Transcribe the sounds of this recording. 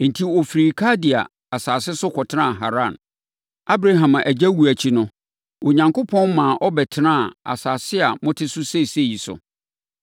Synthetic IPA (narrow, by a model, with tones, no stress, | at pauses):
n̩˨tʰi˦ɔ˨fi˨ɾi˨kʰa˦dɪ˨a̰˨ | a˨saː˨sɪ˦sʊ˦kʰɔ˨tʰɪ˦nã˦˨ɦa̰˨ɾã˦˨n | a˦bɾa˦ɦã˨mã˨ʔæ˨d͡ʑæ˦wu˨æ˨t͡ɕʰi˦nʊ̃˦ | o˨ɲã˨ŋkʊ˦pʰɔ̃˦n˦mãː˨ʔɔ˦bɛ˨tʰɪ˦nã˦˨a̰˨saː˨sɪ˦a˨mʊ̃˦tʰɪ˦sʊ˦se˦˨se˦˨ji˨sʊ̰˨